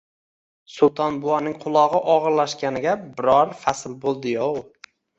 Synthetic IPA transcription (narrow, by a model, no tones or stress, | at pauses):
sʊlˠt̪ʰɒnbʊanɪŋqʰʊlˠɒʁɨʔɒʁɨɾlaʃkʲanɪɡʲabɪɾɒɾfasɪlbolˠd̪ɪjow